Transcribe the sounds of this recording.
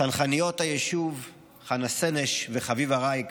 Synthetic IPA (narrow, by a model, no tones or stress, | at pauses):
anχanijo̞thajeʃuv | χanaseneʃveχavivaʁajk